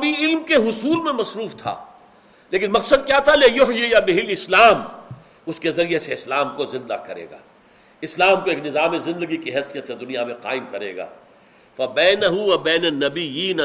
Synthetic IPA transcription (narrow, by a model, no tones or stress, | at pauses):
bʱiɪlmkeɦʊsuːlmẽmɐsɾuːft̪ʰa̰ː | leːk̬ɪnmɐqsəd̪̚kjaːt̪ʰalejʊɦjejabɪɦɪlɪslaːm | ʊskezɐɾieseɪslaːmkozɪ̃nd̪a̰kɐɾḛːɡa̰ː | ɪslaːmkoeːknɪzaːmezɪ̃nd̪əɡikiɦɐsijət̪sed̪ʊnijamẽqa̰ːɪmkɐɾḛːɡa̰ː | fɐbɛːnɐɦʊʋɐbɛːnɐnːɐbɪjiːn